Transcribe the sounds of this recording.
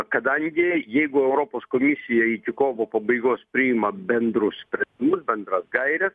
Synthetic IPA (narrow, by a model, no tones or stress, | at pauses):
kɐd̪ɐŋʲɡʲɪjɛɪɡʊɛʊɾoːpoːskoːmʲɪsʲɪjɛik̪ʲɪkoːʋoːpɐbɐɪɡoːspʲɾʲɪɪmɐbʲɛnd̪ɾʊssʲpʲɾʲɛnʲdʲɪmʊsbʲɛnd̪ɾɐsɡɐɪɾʲɛs